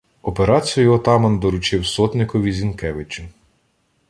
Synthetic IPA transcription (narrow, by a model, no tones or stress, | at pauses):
ɔpeɾɑt͡sʲijjʊɔt̪ɑmɐnd̪ɔɾʊt͡ʃɪwsɔt̪nʲɪkɔʋʲizʲinkɛʋɪt͡ʃʊ